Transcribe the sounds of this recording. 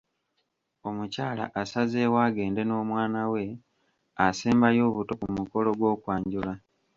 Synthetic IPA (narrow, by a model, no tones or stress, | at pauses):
o̞mucaːla̰ʔasazeːwaːɡe̞ːnde̞no̞ːmwaːnawe̞ | aseːmbajo̞ːβuto̞kumuko̞lo̞ɡwo̞ːkwaːɲɟula